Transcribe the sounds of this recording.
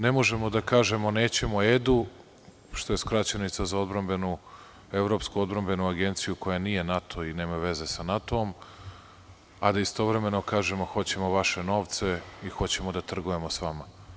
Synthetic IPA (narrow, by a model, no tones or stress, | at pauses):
nemo̞ʒe̞mo̞d̪akaːʒe̞mo̞neːt͡ɕe̞moed̪u | ʃt̪o̞je̞skɾat͡ɕanit̪sazao̞d̪bɾambenu | evɾo̞ːpskuod̪̚bɾambe̞nuaɡe̞nt̪sijuko̞janije̞nat̪ʰo̞ine̞ːmaʋe̞ze̞sanat̪oːm | ad̪aist̪o̞ʋɾe̞me̞no̞kaːʒemo̞xo̞t͡ɕe̞moʋaʃeno̞ːʋt̪se̞ixo̞t͡ɕe̞mod̪at̪r̩ɡuje̞mosʋama